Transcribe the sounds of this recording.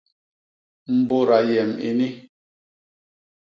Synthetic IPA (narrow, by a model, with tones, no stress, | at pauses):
m̩˨bo˦ɾa˨jɛ˨mḭ˨ni˦